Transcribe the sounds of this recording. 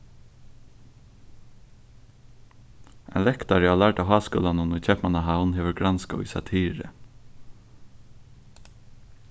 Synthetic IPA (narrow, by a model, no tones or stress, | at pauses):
ɛ̰nlɛkt̪aɾəalæɹʈaɦɑːsko̰ːlanʊnʊjt͡ʃʰɛpmanaɦawnɦeːʋəɾɡɾanska̰ḭsa̰t̪ʰiːɹə̰